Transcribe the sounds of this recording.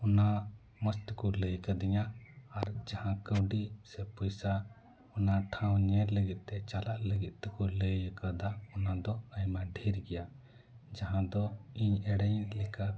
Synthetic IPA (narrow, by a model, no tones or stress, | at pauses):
ɔna | məst̪kuləjkad̪iɲaːɾd͡ʒahãkəwɖisɛpɔjsa | ɔnaʈʰãw̃ɲɛɾləɡit̪̚ˀt̪ɛt͡ʃalaʔləɡit̪̚t̪ɛkuləjəkad̪aɔnad̪ɔəjmaɖʱiɾɡɛja | d͡ʒaɦãd̪ɔiɲɛɽəjnlɛka